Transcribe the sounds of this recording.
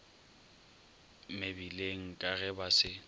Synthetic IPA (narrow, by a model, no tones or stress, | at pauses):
mɪbileŋ̩kʼaɣɛbasɪ